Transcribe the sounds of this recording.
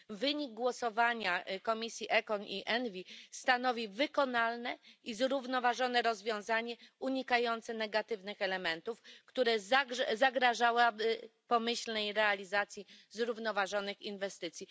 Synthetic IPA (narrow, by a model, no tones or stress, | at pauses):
vɘɲiɡ̚ɡwɔsɔvaɲakɔmʲisʲjiʔɛkɔniʔɛnvʲist̪anɔvʲivɘkɔnalnɛizɾuvnɔvaʐɔnɛɾɔzvʲjɔ̃w̃zaɲɛuɲikajɔnt̪sɛnɛɡat̪ɘvnɘxɛlɛmɛnt̪ufkt̪uɾɛzaɡɛzaɡɾaʐawabɘpɔmɘɕlnɛjɾɛalʲizat̪sʲjizɾuvnɔvaʐɔnɘxinvɛst̪ɘt̪sʲji